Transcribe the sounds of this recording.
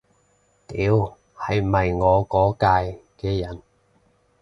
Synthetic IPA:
t̪iː˨˥w | hɐ˨jmɐ˨jŋɔː˨˧kɔː˨˥kaː˧jkɛː˧jɐ˨˩n

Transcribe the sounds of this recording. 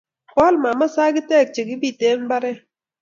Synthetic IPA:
kwa˦lma˨ma˦sa˦ɡɪ˦tɛ˦k̚t͡ʃe˨ɡɪ˦bi˦˨te˦mba˦ɾɛ˦

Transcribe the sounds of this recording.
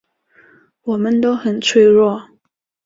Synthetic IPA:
wɔ˨˩mə˦nt̪o˥ʊxə˨˩nt͡sʰwe˥˧ɪɻwɔ˥˩

